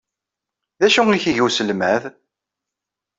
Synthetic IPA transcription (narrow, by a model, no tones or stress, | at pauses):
ðæʃuiçiʝusəlmæð